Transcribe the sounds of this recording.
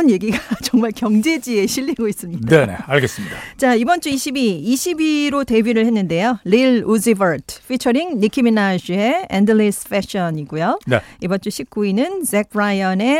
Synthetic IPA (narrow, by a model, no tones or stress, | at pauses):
nje̞ɡiɡat͡ɕʌŋmaɭkjʌŋd͡ʑe̞d͡ʑie̞ɕʰiʎːiɡois͈ɯmɲindenḛaɭɡes͈ɯmɲidat͡ɕaibʌnt͡ɕ͈uiɕʰibiiɕʰibiɾote̞biɾɯɭhe̞nːɯnde̞joliɭusibʌɾtʰf͈ʰit͡ɕʰʌɾiŋnikʰiminaɕie̞endɯlisfeɕʌɲiɡujoneibʌnt͡ɕ͈uɕʰip̚k͈uinɯnsekʰɾajʌne̞